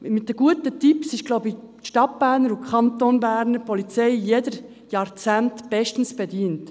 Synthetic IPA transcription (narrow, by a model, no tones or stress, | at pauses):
mɪt̚dəɡ̥uətətipsɪʃɡ̥loʊbi | ʃtɑt̚b̥æːɾnəɾukʰχɑnt̪onbæːɾnəɾpɔlit͡sɛɪjedəɾ | jɑɾt͡sæntb̥ɛʃtn̩sb̥ediːnt